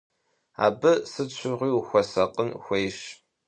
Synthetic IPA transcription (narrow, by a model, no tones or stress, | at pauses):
a̰ːbɨsɨɕʰʷʊʁʷiːuxʷɔsɐqənxʷejʃ